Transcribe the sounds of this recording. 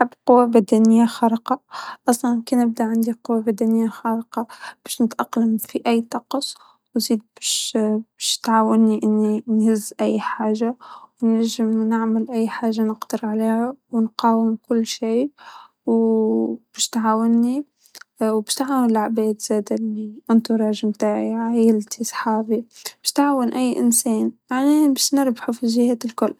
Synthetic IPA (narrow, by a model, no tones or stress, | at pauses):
ħabqʊwːabæd̪anɪjːaxɑɾˤqɑʔɑsˤlɑnkinːɪb̚d̪aʕɪnd̪iqʊwːabæd̪anɪjːaxɑːɾqɑb̥æːʃnɪt̪ʔɑqlamfiʔæjːt̪ˤɑqsˤ | wziːd̪̚bæʃbæʃt̪ʕaːwɪnːiʔɪnːinhɪzːʔæjːħaːʒawnaʒɪmnɪʕmalʔæjːħaːʒːanəqd̪̥ɪɾʕaleːhawnqɑːwɪmkʊlːʃiː | w | b̥ɪʃt̪ʕaːwɪnːi | wbɪʃt̪ʕaːwɪnɪlʕabeːd̪z̥eːt̪liʔɪnt̪uɾˤɑːʒmt̪aːʕiʕajɪlt̪isˤħaːbibɪʃt̪ʕaːwɪnʔajːʔɪ̰nseːnjaʕnibɪʃnɪɾbħafiʒɪheːt̪ɪlkʊlː